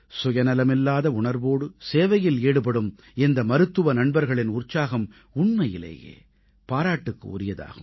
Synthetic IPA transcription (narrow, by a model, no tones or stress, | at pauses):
sʊjɐnɐlɐmɪlːaːðɐʊɳɐɾʋoːɽɯseːʋɐjɪleːɽɯpɐɽɯm | ɛnd̪ɐmɐɾɯt̪ːɯʋɐnɐɳbɐɾɣɐɭɪnʊrt͡ʃːaːɣɐm | ʊɳmɐjɪlḛːjḛː | paːɾaːʈːɯkːɯ̰ɔ̰ɾɪjɐða̰ːɣɯm